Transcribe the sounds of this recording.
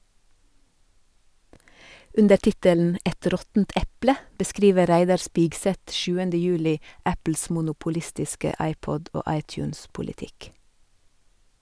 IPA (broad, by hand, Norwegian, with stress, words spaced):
ˈʉndə ˈʈɪtələn ˈʔɛt ˈɾɔtnt ˈʔɛplə bəˈskɾiːʋə ˈɾæɪdɑɾ ˈspɪɡsɛt ˈʃʉːəndə ˈjʉːlɪ ˈæpl̩s mʊnʊpʊˈlɪstɪskə ˈɑɪˌpɔd ˈoː ˈɑɪˌtjʉːns pʊlɪˈtɪk